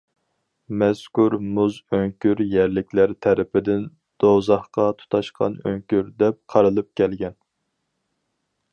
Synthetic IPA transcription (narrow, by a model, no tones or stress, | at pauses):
mɛskuɾmuzøŋkʲyɾjɛɾlɪkʲlæɾt̪ʰɛɾɪpɪd̪ɪn | d̪̥ozɑχqɑt̪ʰu̥t̪ʰɑʃqʰɑ̰nø̰ŋkʲyɾd̪ɛp̚qʰɑɾɨlˠɨp̚kʲʰɛlɡʲɛn